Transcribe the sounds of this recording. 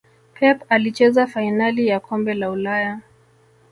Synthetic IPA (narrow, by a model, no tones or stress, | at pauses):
pʰɛpalit͡ʃɛzafainalijakʰɔmbɛlaulaja